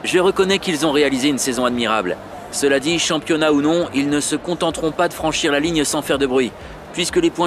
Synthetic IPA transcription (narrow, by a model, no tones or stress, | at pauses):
ʒəʁəkɔnɛkilzɔ̃ʁealizeynsɛzɔ̃ad̪miʁabl | səlad̪iʃɑ̃pjɔnaunɔ̃ilnəsəkɔ̃t̪ɑ̃t̪ʁɔ̃pad̪əfχɑ̃ʃiʁlaliɲsɑ̃fɛʁd̪əbʁɥi | pɥiskəlepwɛ̃